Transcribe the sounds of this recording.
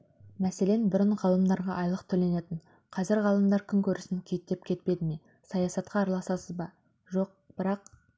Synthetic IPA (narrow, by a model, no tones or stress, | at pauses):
mæse̞le̞nbʏɾəɴʁɑlˠəmd̪ɑɾʁɑʔɑjlˠəqt̪ʰɵle̞ne̞t̪ɪɴ | qʰɑzɪɾʁɑlˠəmd̪ɑɾkʲʰʏŋkʲʰɵɾɪsɪŋkʲʰejt̚t̪e̞p̚kʲʰe̞t̪̚pe̞d̪ɪme | sɑjɑsɑt̪qɑːɾɑlˠɑsɑsəzbɑ | ʒo̞q̚b̥ɪɾɑq